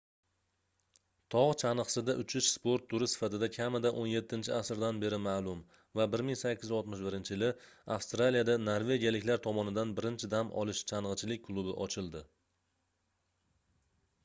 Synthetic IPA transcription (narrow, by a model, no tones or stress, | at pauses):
t̪ʰɒʁt͡ʃʰanɨqsɪd̪aʔʊt͡ʃʰɪʃspo̞ɾt̪ʰːʊɾɪsɪ̥fat̪ɪd̪akʲʰamɪd̪aʔonje̞t̪ːɪnt͡ʃʰɪasɾd̪anbe̞ɾɪmaːlˠʊm | vabɪɾmɪŋsakʲːɪzɒlˠt̪mɪʃbɪɾɪnt͡ʃʰɪjɪlɪafst̪ɾalijad̪anoɾve̞ɡʲijalɪkʲlaɾt̪ʰɒmɒnɪd̪anbɪɾɪnt͡ʃʰɪd̪amɒ̰lˠɪʃt͡ʃʰanʁɨt͡ʃʰɪlɪk̚ʲkʰlˠʊbɪʔɒt͡ʃʰɪlˠd̪ɪ